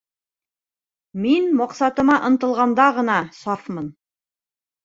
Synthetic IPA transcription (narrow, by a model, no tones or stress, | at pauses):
minmɑqsɑt̪ɤ̆mɑʔɤ̆nt̪ɤ̆lˠʁɑnd̪ɑʁɤ̆nɑsɑfmɤn